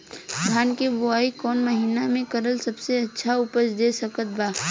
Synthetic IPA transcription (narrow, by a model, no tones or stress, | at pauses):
d̪ʱjaːnkebʊaːikɔːnməɦinamẽkɐɾəlsɐbseɐtːʃʰaʊpət͡ʃd̪eːsəkət̪̚baː